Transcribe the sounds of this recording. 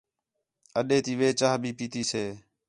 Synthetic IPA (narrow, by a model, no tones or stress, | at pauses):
əɗeːt̪iːʋeːt͡ʃaːɦbʱiːpiːt̪iːseː